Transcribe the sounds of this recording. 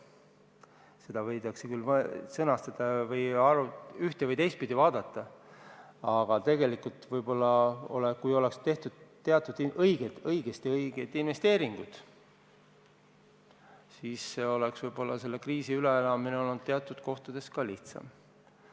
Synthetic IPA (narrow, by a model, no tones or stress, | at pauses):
se̞d̪̥ɑvɤjd̪ɑksekylːmsɤnɑst̪ɑd̪̥ɑvɤjɑɾuyht̪evɯjt̪e̞jst̪pid̪̥ivɑːd̪̥ɑt̪ˑːɑ | ɑɡ̥ɑt̪e̞ɡe̞likult̪vɤjbo̞lːɑo̞̰lekujo̞le̞kst̪e̞ht̪ud̪̥t̪ːe̞ɑt̪ːˑud̪̥iʔɤjɡ̥ed̪ɤjɡ̥est̪iɤjɡ̥ed̪̥inve̞st̪e̞ːɾiŋɡ̥ud̪̥ | siːsːeo̞leksvɤjb̥o̞lːɑse̞lːe̞kriːsiyleelɑmineolut̪ːeɑt̪ːˑud̪̥̚ko̞ht̪ud̪̥e̞skɑliht̪sɑ̰m